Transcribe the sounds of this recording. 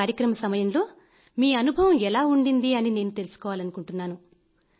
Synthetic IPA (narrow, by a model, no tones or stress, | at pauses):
aːɾjɐkɾɐmɐsɐmɐjɐnlo̞ː | miːɐnubʱɐʋɐmɛlaːuɳɖind̪iɐnine̞ːnut̪e̞lusu̥kɔːʋaːlɐnukuɳʈunːaːnu